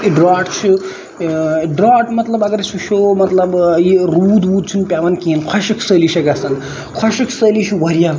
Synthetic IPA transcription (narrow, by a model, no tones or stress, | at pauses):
ɖɾaːʈt͡ʃʰu | ɖɾaʈmɐt̪lɐbɐɡɐɾsʰuʃʰomɐt̪lɐbjiɾuːd̪uːd̪̚t͡ʃʰunpʲaʋɐnkinkʰɐʃikʰsəliʃɐɡasɐn | kʰɐʃikʰsəːlit͡ʃʰuwɐɾija